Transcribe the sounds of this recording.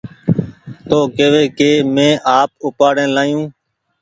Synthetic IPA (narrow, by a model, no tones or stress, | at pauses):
t̪oːkeːʋeːkeːmẽːʔaːp̚ʊpaːɽẽːlaːijũː